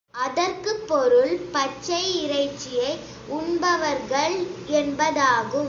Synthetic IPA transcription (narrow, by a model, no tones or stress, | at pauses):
ʔɐðɐɾkɯpːɔɾɯɭpɐt͡ʃːɐɪɪɾɐɪt͡ʃːɪjɐɪ | ʊɳbɐʋɐɾɣɐɭɛnbɐðaːɣɯm